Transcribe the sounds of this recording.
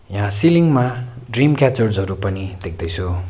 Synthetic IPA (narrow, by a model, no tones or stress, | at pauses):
jãsiliŋma | ɖrimkat͡sorzɦʌɾupʌnid̪ek̚ʰd̪ʌjt͡sʰu